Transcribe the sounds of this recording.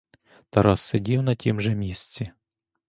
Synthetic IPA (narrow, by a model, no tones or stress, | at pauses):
t̪ɐɾɑsːedʲiwnɐtʲimʒɛmʲisʲt͡sʲi